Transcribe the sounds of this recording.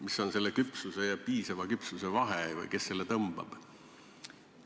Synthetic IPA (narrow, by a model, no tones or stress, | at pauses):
misːo̞nse̞lːekypsuse̞jɑpiːsɑvɑkypsuse̞vɑɦevɯ̰jke̞sːe̞lːe̞t̪ɤmb̥ɑ̰b̥